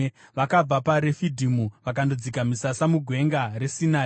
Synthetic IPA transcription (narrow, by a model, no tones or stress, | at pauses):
ʋakab͡vapaɾefidʱimuʋakandod͡zikamisasamuɡʱwe̞ŋɡaresinaː